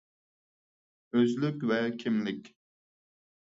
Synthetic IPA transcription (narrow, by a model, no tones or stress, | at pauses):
øzlykʲvɛkʲʰimlɪkʲ